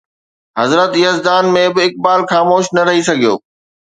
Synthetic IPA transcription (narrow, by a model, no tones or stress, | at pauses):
ɦɐzɾət̪jəzd̪aːnmẽbɪɪk̚baːlxaːmoːʃnɐɾɐɦisɐɡʱijo̰ː